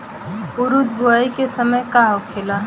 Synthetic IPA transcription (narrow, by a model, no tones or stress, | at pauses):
uɾud̪̚buaikesəməjkaɦokʰela